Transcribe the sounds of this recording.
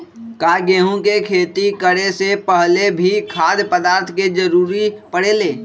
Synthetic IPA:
kaːɡeːɦõkekʰeːt̪ikəɽesepəɦlebʱikʰaːd̪pəd̪aːɾt̪ʰked͡ʒəɾuːɾipəɽeːleː

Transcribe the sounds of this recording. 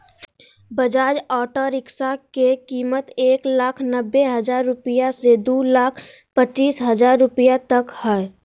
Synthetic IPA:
bəd͡ʒaːd͡ʒɔːʈoːɾɪksakekiːmət̪eːklaːkʰnəbːeɦɐd͡ʒaːɾːʊpijased̪uːlaːkʰ | pət͡ʃːiːsɦɐd͡ʒaːɾːʊpijat̪ɐkhɛɛ

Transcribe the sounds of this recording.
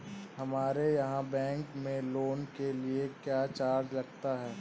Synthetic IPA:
hɐmaːɾejɐɦãbɛ̃ːŋkmẽloːnkeliekjaːt͡ʃaːɾd͡ʒlɐɡt̪aɦɛː

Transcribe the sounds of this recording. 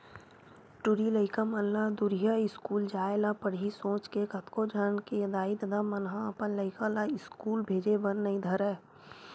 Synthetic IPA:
ʈʊɾiləɪkamənlad̪ʊɾijaɪskuːld͡ʒaːelapəɽisõːt͡ʃkekət̪kod͡ʒəɾnkejɐd̪aːid̪əd̪amənɦãəpənləɪkalaɪskuːlbʱeːd͡ʒebənːəĩd̪ʱɐɾɛː

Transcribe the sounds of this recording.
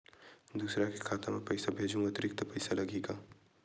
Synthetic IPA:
d̪uːsɾakekʰaːt̪ãmẽpɐjsabʱeːd͡ʒʱũŋɡat̪ɾɪk̚t̪pɐɪsalɐɡeːɡaː

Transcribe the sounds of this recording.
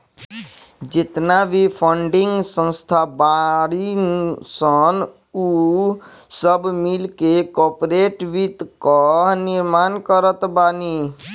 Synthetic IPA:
d͡ʒit̪nabʱipʰəɳɖiŋɡsə̃nst̪ʰabaɽinsən | u | səbmilkekɔpɾeʈʋit̪kɔɦniɾmankəɾət̪bani

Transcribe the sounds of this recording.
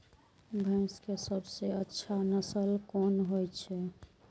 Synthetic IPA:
bʱə̃ɪ̃skesəbseətːʃʰanəsəlkonɦojt͡ʃʰɛ

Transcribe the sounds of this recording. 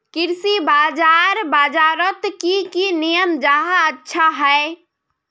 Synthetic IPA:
kiɾsibad͡ʒaɾbad͡ʒaɾət̪kikinijəmd͡ʒaɦaətːʃʰaɦəe

